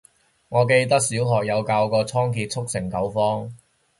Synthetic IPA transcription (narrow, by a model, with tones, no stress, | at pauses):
ŋɔː˨˧ke˧jt̪ɐ˥k̚siː˨˥wɦɔː˨k̚jɐ˨˧wkaː˧wkɔː˧t͡sʰɔː˥ŋkʰiː˧t̚t͡sʰʊ˥k̚sɪ˨˩ŋkɐ˨˥wfɔː˥ŋ